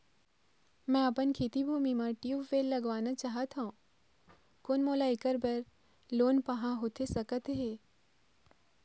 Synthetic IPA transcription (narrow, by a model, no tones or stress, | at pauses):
mɛ̃ɐpənkʰeːt̪ibʱuːmimãʈjuʋʋeːlːɐɡʋaːnat͡ʃaːɦət̪ɦõ | koːnmoːlaɪkəɾbɛɾ | loːnpɐɦãɦoːt̪ʰesɐkət̪ɦeː